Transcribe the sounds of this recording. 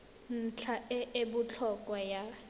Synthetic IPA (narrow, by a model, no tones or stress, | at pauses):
n̩t͡ɬʰaʔɛʔebʊt͡ɬʰɔkʼwaja